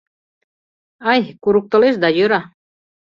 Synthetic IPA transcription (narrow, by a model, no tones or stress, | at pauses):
ajkuɾuk̚t̪ŏleʃd̪ajøɾa